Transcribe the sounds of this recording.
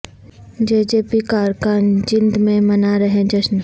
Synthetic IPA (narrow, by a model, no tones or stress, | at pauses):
d͡ʒeːd͡ʒeːpikaːɾkaːnd͡ʒɪ̃nd̪mẽmɐnaɾəɦẽd͡ʒɐʃn